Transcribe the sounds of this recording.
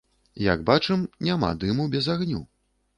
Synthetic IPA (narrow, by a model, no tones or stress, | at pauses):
ja̰ɡbat͡ʂɨmnʲama̰d̪ɨmubʲɛzaɣnʲṵ